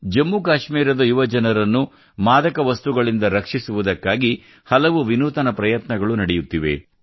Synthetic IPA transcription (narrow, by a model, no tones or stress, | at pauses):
d͡ʒɐmːukaːʃmiːɾɐd̪ɐjuʋɐd͡ʒɐnɐɾɐnːu | maːd̪ɐkɐʋɐst̪uɡɐɭind̪ɐɾɐkʂisuʋud̪ɐkːaːɡi | hɐlɐʋuʋinuːt̪ɐnɐpɾɐjɐt̪nɐɡɐɭunɐɽɛjut̪ːiʋḛ